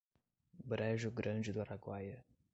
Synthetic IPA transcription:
bɾɛʒʊɡɾɐ̃nd͡ʒɪd̪uaɾaɡwajɐ

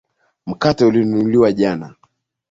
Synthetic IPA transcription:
m̩katɛulinuliwaʄana

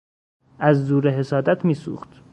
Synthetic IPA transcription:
ʔæzːuːɾeɦe̞sɒːd̪æt̪ʰmiːsṵːxt̪

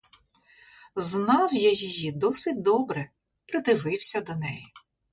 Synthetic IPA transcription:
znɑwjajijid̪ɔsɪtʲd̪ɔbɾɛ | pɾɪd̪ɪʋɪwsʲɐd̪ɔnɛji

